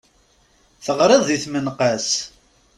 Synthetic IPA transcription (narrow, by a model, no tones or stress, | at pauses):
θəʁɾˤɪðˤːiθmənqas